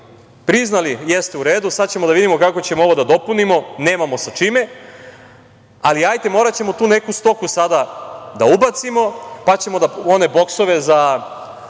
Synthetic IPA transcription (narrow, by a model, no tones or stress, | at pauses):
pɾiznalijest̪euɾe̞ːd̪usad̪t͡ɕemo̞d̪aʋid̪imo̞kako̞t͡ɕe̞moo̞ʋo̞d̪ad̪o̞punimo̞ne̞ːmamo̞sat͡ʃime̞ | aliajt̪e̞mo̞ːɾat͡ɕe̞mo̞t̪uːne̞kust̪o̞kusad̪ad̪aubat̪simo̞pat͡ɕe̞mo̞d̪ao̞ne̞bo̞kso̞ʋe̞za